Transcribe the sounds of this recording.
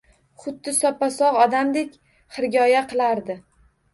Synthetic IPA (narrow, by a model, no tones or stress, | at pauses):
χʊd̪ːɪsɒpːasɒʁɒd̪amd̪ekʲ | hɨɾɡʲɒjaqʰɨlˠaɾd̪ɪ